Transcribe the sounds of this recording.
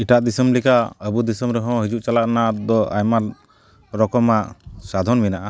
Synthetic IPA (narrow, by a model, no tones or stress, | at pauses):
iʈaʔd̪isəmlikaəbud̪isəmɾɛɦɔ̃ɦid͡ʒuʔt͡ʃalaʔnad̪ɔa̰jmaɾ | ɾɔkɔmaʔsad̪ʱɔnminaʔa